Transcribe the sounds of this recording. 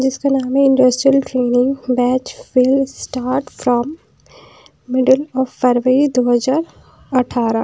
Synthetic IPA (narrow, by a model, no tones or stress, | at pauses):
d͡ʒɪskanaːmẽɪ̃ɳɖəsʈɾiəlʈɾeːnɪ̃ŋɡbɛːt͡ʃʋɪlsʈaːɾʈfɾɔ̃ːm | ɪɖəlɔːfːɛɾʋəɾid̪oːɦəzaːɾ | ɐʈʰːaːɾa